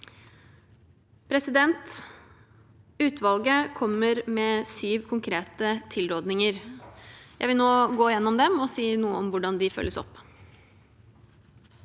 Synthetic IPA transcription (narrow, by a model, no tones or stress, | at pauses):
pʰɾɛsɪd̪ɛnt̪ | ʉːt̪ʋɑlɡəkʰɔmːəɾmɛsyːʋkʰʊŋkʰɾeːt̪ət̪ʰɪlɾoːd̪nɪŋəɾ | jæɪʋɪlnoːɡoːɪjɛnːɔmd̪ɛmɔsiːnuːəɔmʋʊɖɑnd̪ɪfœ̰lːəsɔ̰pː